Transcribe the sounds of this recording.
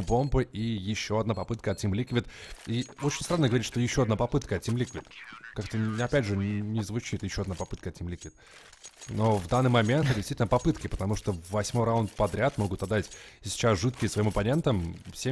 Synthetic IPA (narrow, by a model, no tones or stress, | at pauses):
bo̞mbɨijɪɕːo̞ɐd̪napɐpɨt̪̚kəɐt̪̚ʲnʲimlʲikəvʲɪt̪iot͡ɕɪnʲst̪ɾanːəɡəvɐɾʲitʂt̪ojɪɕːo̞ɐd̪napɐpɨt̪kəɐt̚ʲnʲimlʲikəvʲɪt̪kakt̪əɐpʲædʲʐɨnʲɪzvʊt͡ɕit̪jɪɕːo̞ɐd̪napɐpɨt̪̚kəɐtʲnʲimlʲikəvʲɪt̪ | no̞vd̪anːɨjmɐmʲe̞nt̪ɛt̪d̪ɪst̪itʲlnəpɐpɨt̪kʲɪpət̪ɐmuʂt̪ovːɐsʲmo̞jɾɐonpɐd̪ɾʲat̪mo̞ɡʊt̪ɐd̪ːatʲsʲɪ̥t͡ɕasʐɨt̪kʲɪjɪsvɐimɐpɐnʲe̞nt̪əmfsʲe